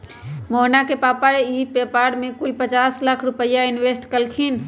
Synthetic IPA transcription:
moːnakepaːpaeiːpeːpaːɾɖmẽkʊlpət͡ʃaːslakʰɾʊpəjaɪnweːsʈkəlkʰiːn

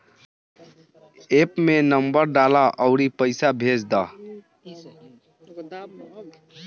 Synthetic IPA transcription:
epmenəmbəɾɖalaʔəʊɾipəɪsabʱed͡ʒd̪ə

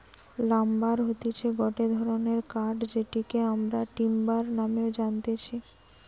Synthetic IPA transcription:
lambaɾɦot̪et͡ɕʰeɡɔʈed̪ʱɔɾoneɾkaɾɖd͡ʑeʈikeamɾaʈimbaɾnameod͡ʑant̪et͡ɕʰi

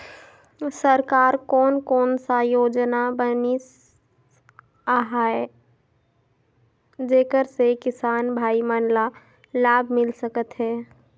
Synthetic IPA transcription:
səɾkaːɾkɔːnkɔːnsajoːd͡ʒnabənis | aɦaːe | d͡ʒeːkəɾsekɪsaːnbʱaːimaːnla | laːbʱmɪlsəkət̪ɦɛː

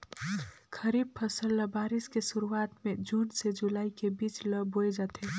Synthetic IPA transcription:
kʰəɾiːb̚pʰəsəlːəbaːɾɪskesʊɾuaːt̪mẽd͡ʒuɽsed͡ʒulaːikebiːt͡ʃləboed͡ʒat̪ʰe

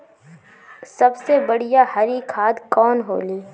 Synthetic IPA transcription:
sɐbsebɐɽ̤ijaɦɐɾikʰaːd̪kɔːnɦo̰ːliː

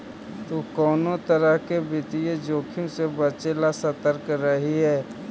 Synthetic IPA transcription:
t̪okɔːnot̪əɾəɦkebɪt̪ijed͡ʒoːkʰɪ̃sebət͡ʃelasɐt̪əɾkɾəɦiɦɛː

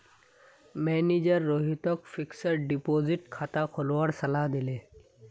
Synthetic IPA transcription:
mɛːnid͡ʒəɾːoːɦit̪ɔkfiksəɾɖipoːzɪʈkʰaːt̪akʰolʋəɽsɐlad̪ɪleː

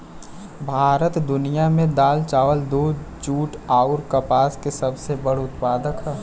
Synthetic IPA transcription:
bʱaːɾət̪d̪ʊnijamẽd̪aːlt͡ʃaːʋəld̪oːd͡ʒuːʈaːʊɾkɐpaːskesɐbsebɐɽʊt̪paːd̪əkɦɛː

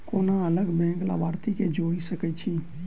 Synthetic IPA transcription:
koːnaələɡbɛ̃ːkla̰baːɾt̪iked͡ʒoːɽisəkɛt͡ʃʰiː

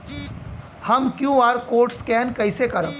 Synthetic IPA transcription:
hɐmkjuːaːɾkoːɾʈskɛːnkɐɪsekɐɾə̃

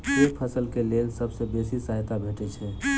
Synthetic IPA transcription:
eːpʰəsəlkelelsəbsebeːsisəɦt̪abʱeːʈɛt͡ʃʰɛ

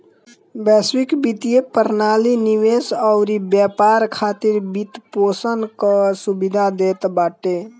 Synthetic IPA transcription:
bɛswikbit̪ijepəɾnaliniwesəʊɾibjəpaɾkʰat̪iɾbit̪posənkəsubid̪ʱad̪et̪baʈe

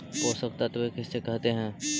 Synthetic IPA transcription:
ɦoːsɐk̚t̪at̪oekɪsːekɛɦt̪eɦɛ̃ː

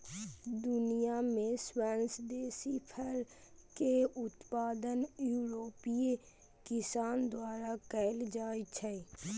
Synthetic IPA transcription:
d̪ʊnijaːmẽːswɛːnsd̪eːsiːpʰəɾkeːʊt̪paːd̪ənjuːɾoːpie | kɪsaːnd̪ʊaːɾaːkɛld͡ʒaːit͡ʃʰəi

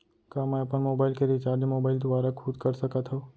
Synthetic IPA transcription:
kaːmɛ̃ɐpənmoːbaːɪlkeɾit͡ʃaːɾd͡ʒmoːbaːɪld̪ʊaːɾakʰuːd̪kɐɾsɐkət̪ɦo

